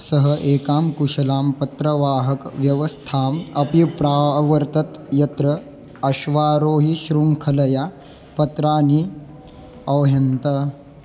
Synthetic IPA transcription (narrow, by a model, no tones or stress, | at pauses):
sɐɦɐʔeːkaːmkuʃɐlaːmpɐt̪ɾɐʋaːɦɐkʋjɐʋɐst̪ʰaːmɐpipɾaːʋɐɾt̪ɐt̪jɐt̪ɾɐ | ɐʃʋaːɾoːɦiʃɾuŋkʰɐlɐja | pɐt̪ɾaːni | ɐʋɦɐnt̪ɐ